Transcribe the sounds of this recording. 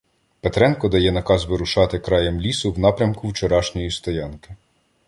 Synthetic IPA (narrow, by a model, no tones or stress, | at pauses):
pet̪ɾɛnkɔd̪ɐjɛnɐkɑzʋɪɾʊʃɑt̪ɪkɾɑjɛmlʲisʊwnɑpɾʲɐmkʊwt͡ʃɔɾɑʃnʲɔjist̪ɔjɑnkɪ̥